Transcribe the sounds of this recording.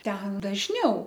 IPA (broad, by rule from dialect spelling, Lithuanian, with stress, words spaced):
ˈtʲɛn dɐʒʲˈnʲɛʊ